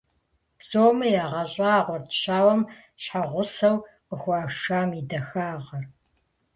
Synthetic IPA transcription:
bzoːmɐjaːʁɐɕʼɐaːʁʷɔrtʰɕaːwɐm | ɕħaʁʷʊsɐw | qəxʷɑːʃaːmidɐxaːʁɐr

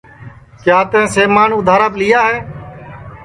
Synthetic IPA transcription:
kjaːt̪ẽːseːmaːnʊd̪ʱaːɾaːplɪjaːɦeː

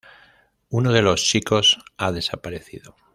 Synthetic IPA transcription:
unoð̞e̞lo̞st͡ʃiko̞saðe̞sapaɾe̞θḭðo

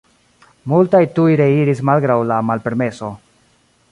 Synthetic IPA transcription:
multajtujɾe̞iɾismalɡɾawlamalpe̞ɾme̞so̞

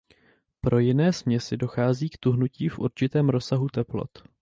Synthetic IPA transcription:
pɾo̞jɪnɛːsmɲɛsɪdo̞xaːziːkt̪uɦnuciːfʔṵɾt͡ʃɪt̪ɛːmɾo̞saɦut̪ɛplo̰t̪

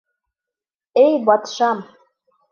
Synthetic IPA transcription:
ejbɑt̪ʃɑm

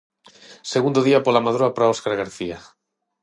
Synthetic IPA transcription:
seɣund̪oðiapolamaðɾoapɾaoskaɾɣaɾθia

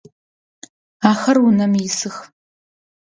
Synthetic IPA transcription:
aːxɐrʊnɐmjɪsɨx

